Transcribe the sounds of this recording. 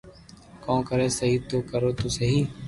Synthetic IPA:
kõːkəɾeːsəɦiːt̪oːkəɾoːt̪oːsəɦiː

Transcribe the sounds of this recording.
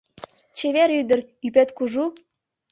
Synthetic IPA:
t͡ɕeβeɾyd̪ə̆r | yp̬et̪kuʒu

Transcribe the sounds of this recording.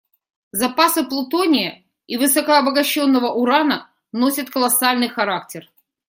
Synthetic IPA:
zɐpasɨplˠʊt̪onʲɪjə | ivɨsəkəɐbəɡɐɕːo̞nːəvəʔʊɾanə | nosʲət̪kəlˠɐsalʲnɨjxɐɾak̚tʲɪr

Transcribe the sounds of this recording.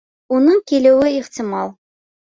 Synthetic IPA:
unɤɴkilɘ̆wɘiχt̪ʲɪmɑlˠ

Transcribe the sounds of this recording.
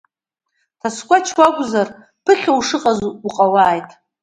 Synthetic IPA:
tʰaskʷʼat͡ʃʰwʷakʷʼzar | pʰɨχʲawʂɨqʼazuqʼawaːjtʼ

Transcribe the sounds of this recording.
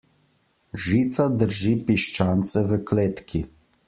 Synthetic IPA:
ʒiːt̪sad̪əɾʒipiʃt͡ʃaːnt̪sɛʋəkleːt̪kʰi

